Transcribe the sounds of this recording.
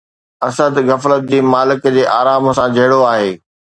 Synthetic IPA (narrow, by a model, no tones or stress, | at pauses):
ɐsəd̪ɣɐflət̪̚d͡ʑiːmaːlɪkd͡ʑeːʔaːɾaːmsãd͡ʑʱɐɦɪɽoaːɦeː